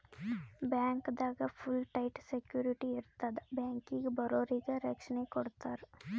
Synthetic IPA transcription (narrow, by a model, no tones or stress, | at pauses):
baːŋkd̪aɡɐpʰulʈaɪʈsekjuːɾiʈiɪɾt̪ad̪baːŋkĩɡbɐɾoːɾiɡɐɾɐkʃnekɔɽt̪aɾ